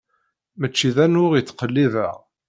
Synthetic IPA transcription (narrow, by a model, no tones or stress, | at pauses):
mət͡ʃːiðænʊʁjət͡sːqəlːiðæ